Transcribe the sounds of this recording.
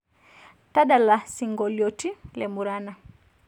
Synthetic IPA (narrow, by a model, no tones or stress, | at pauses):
taɗalasiŋɡɔljɔtilɛmuɾana